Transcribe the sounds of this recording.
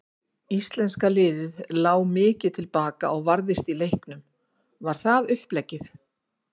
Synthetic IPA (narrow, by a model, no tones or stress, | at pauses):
ist̪lɛnskalɪːðɪðlaːwmɪːcɪð̥t̪ʰɪlpaːka̰ʔɔɣvaɾðɪst̪ilejhknʏm | vaɾ̥θaðʏhplɛcːɪθ